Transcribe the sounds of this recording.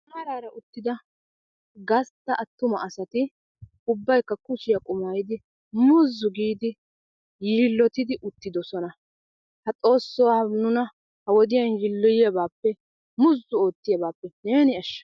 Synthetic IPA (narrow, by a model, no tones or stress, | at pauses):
ɐɾaːɾɐʔʊt̪ːɪd̪ɐ | ɡɐst̪ːɐʔɐt̪ːʊmɐ̰ʔɐsɐt̪ɪ | ʊbːɐjkːɐkʊʃɪjɐkʼʊmaːjɪd̪ɪ | mʊzːʊɡiːd̪ɪ | jɪlːɔt̪ɪd̪ɪʔʊt̪ːɪd̪ɔsɔnɐ | hɐt͡sʼo̞ːsːɔwanʊnɐ | hɐwɔd̪ɪjɐnjɪlːɔjɪjɐbaːpːɛ | mʊzːʊo̞ːt̪ːɪjɐbaːpːɛne̞ːnɪɐʃːɐ̥